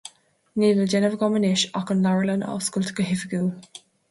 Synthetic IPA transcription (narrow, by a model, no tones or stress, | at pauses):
neːvəld͡ʒɛnəvəɡɔmənɪʃɔkənlaɹələna̰wskʊltʰə̥kəɦɪfəɡuː